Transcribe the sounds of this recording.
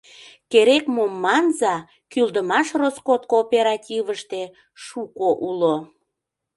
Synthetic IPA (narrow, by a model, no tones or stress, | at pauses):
keɾekmomːɑnzɑ | kyld̪əmɑʃroskot̪̚koːpʲeɾɑtʲiβəʃt̪e | ʃukoʔulo